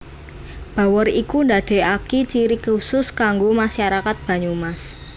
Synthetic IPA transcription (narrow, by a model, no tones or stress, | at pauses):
b̥a̤wɔrikund̪aɖ̥ɛ̤akit͡ʃiɾikusʊskaŋɡomaʃaɾakat̪̚b̥a̤ɲumas